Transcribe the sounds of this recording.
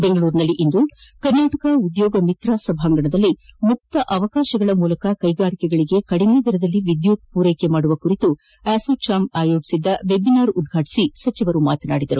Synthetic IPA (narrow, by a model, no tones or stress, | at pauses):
beŋɡɐɭuːɾnɐlːiʔind̪ukɐɾnaːʈɐkɐud̪jɔːɡɐmit̪ɾaːsɐbʱaːŋɡɐɳɐd̪ɐlːimuk̚t̪ɐʔɐʋɐkaːʃɐɡɐɭɐmuːlɐkɐkɐjɡaːɾikɛɡɐɭiɡe̞kɐɽined̪iɾɐd̪ɐlːiʋid̪jut̪̚puːɾejkemaːɽuʋɐkuɾit̪u | æːsot͡ʃaːmaːjoːʈsid̪ːɐʋe̞binaːɾud̪̚ɡʱaːʈi̥sisɐt͡ʃiʋɐɾumaːt̪ɐna̰ːɽid̪ɐɾu